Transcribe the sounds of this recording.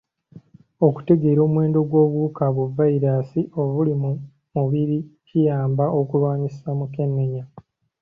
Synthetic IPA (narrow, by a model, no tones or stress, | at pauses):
o̞ku̥te̞ɡe̞ːɾo̞ːmwe̞ːndo̞ɡwo̞ːβwuːkaβuvaiɾasiʔo̞βulimu | muβiɾicijaːmbao̞kulwaːɲisamuke̞nːeɲa